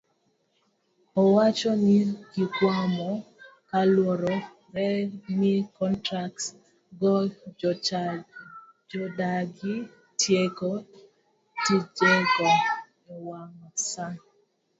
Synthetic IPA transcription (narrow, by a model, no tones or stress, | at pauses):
ɔwat͡ʃɔniɡikwamɔkalwɔɾɔ | ɾɛnikɔntɾaks | ɡɔ | d͡ʒɔdaɡi | tjeɡɔ | tid͡ʒeɡɔ | ɔwaŋɔsa